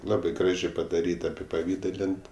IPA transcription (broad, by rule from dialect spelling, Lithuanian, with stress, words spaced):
ˈlˠɑːbɜ ˈɡrɑːʒʲeː pɐdɐˈrʲiːt ɐpʲɪpɐˈʋʲiːdɐlʲɪnt